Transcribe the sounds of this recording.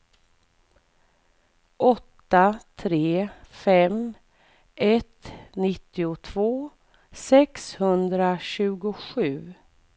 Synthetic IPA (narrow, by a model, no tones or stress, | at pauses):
ʔɔt̪ːat̪ʰɾeːfɛm | ʔɛt̪nɪt̪ːɪʊt̪ʰvoː | sɛkshɵnd̪ɾaɕʉ̟ːɡʊɧʉ̟ː